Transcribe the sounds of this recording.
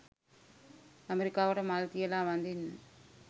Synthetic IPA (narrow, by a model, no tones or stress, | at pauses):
ɐmɛɾɪkːaːʋɐɽɐmaːlk̪ɪjɐlãːʋɐnd̪ɪn